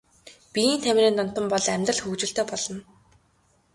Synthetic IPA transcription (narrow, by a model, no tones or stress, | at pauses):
piiːnt̪ʰæmʲriːnt̪ɔn̥t̪ɞ̆mpɔɮæmʲt̪rə̆ɮxɵkt͡ɕɪ̆ɬt̪eːpɔɮɞ̆n